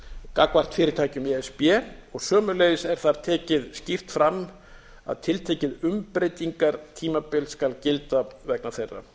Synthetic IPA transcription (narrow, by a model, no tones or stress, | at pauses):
kakvar̥t̪fɪːɾɪɾt̪ʰaːcʏmiɛspjɛːɔɣsœːmʏleːjðɪsɛɾ̥θaɾt̪ʰɛːcɪðscift̪fɾamː | a̰ðt̪ʰɪlt̪ʰɛːcɪðʏmpɾejt̪iŋkaɾt̪ʰiːmapɪlskalcɪlt̪avɛknḁθejrːa̰